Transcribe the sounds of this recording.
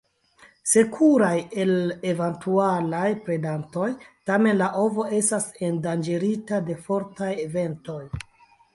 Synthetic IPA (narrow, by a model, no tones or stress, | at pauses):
se̞kʰuɾaje̞levantʰualajpɾe̞danto̞jtame̞nlaʔo̞vo̞e̞stase̞ndand͡ʒeɾitade̞fo̞ɾtaje̞ve̞nto̞j